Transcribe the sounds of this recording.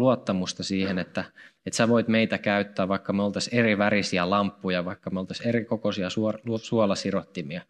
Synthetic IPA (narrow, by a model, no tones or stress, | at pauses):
luot̪ːɑmust̪ɑsiːhenet̪ːæet̪sæʋoit̪meit̪ækæyt̪ːæːʋʋɑikːɑmolt̪ɑseriʋærisiælɑmpːujɑʋɑikːɑmolt̪ɑserikokosiɑsuusuɑlɑsirot̪ːimiɑ